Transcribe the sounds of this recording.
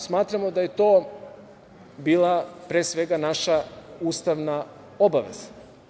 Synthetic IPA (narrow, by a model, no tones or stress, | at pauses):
smaːt̪ɾamod̪ajet̪oː | biːlˠapɾeːsʋeɡanaʃauːst̪aʋna | obaʋḛz̥ḁ